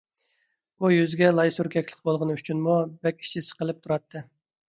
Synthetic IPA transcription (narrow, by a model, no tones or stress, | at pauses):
ujyzɡʲɛlˠɑjsuɾkʲʰɛkʲlˠɪq̚bolˠʁənɨyt͡ʃʰynmubɛkʲi̥ʃʰisɨ̥qʰəlˠɨp̚t̪ʰuɾɑt̪ʰːɨ